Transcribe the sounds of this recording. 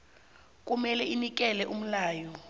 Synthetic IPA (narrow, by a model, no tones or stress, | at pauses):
k̬ʼumɛlɛinik̬ʼɛlɛʔum̩laːjɔ